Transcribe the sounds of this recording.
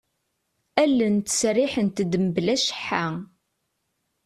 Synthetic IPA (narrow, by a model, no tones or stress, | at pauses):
ælːənt̪ə̥srɪħənt̪əd̪əmblæʃə̥ħːa